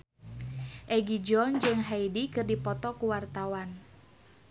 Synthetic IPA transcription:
ʔɛɡid͡ʒɔnd͡ʒɨŋɦaidikɨrdipɔt̪ɔkuwart̪awan

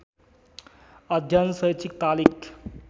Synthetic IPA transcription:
əd̪ʱjansəjt͡ʃʰik̚t̪alik

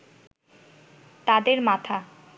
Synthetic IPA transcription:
t̪ad̪eɾmat̪ʰa

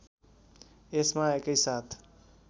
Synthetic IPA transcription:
esmaekəjsat̪ʰ

